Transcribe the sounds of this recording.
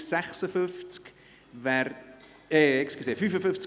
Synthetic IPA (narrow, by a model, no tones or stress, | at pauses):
sɛχsəfʏft͡sk | vɛɾ | eːekskəseːfyfəfʏft͡s